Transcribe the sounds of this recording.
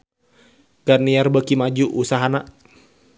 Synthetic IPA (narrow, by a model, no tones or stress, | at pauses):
ɡ̥arniarbəkimad͡ʒuʔusaɦana